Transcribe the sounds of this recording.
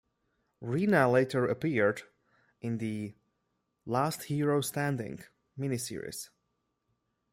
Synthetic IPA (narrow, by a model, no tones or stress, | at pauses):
ɹinəleɪɾə˞əpiɹd | ʔɨ̃nðɨ | læsthiɹoʊstæ̃ndɪ̰̃ŋ | mɪnisɪ̰ɹḭz̥